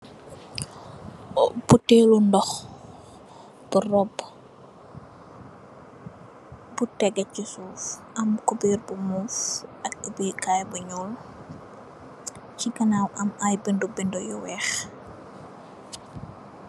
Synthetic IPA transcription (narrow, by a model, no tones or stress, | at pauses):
b̥utelundɔx | b̥urɔb | butɛɡɐcisuːfʔɐmkubiːɾbumufʔɐk̚ːubiːkajbuɲɔːl | cikɐnawɐmajbindubɛndɔjɔwɛːx